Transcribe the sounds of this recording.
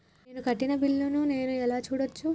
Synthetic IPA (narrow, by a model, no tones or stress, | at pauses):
nukɐʈːinɐbilːunune̞ːnuɛlaːt͡ʃuːɽot͡ʃːu